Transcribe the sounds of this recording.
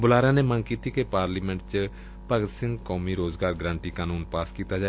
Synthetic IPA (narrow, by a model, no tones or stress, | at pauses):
bʊlaːɾãːneːməŋkiːt̪iːkepaːɾliːmɛ̃ɳʈt͡ʃ | pəɡd̪sɪ̃ŋɡkɔːmiːɾoːzɡaːɾɡɾãːɳʈiːkaːnuːnpaːskiːt̪aːd͡ʒaː